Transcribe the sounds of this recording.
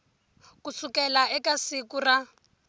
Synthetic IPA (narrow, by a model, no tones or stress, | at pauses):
kusukɛlaɛkasikura